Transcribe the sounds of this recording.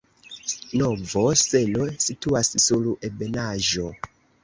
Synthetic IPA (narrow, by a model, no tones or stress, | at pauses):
novo̞se̞losituassulebe̞naʒo̞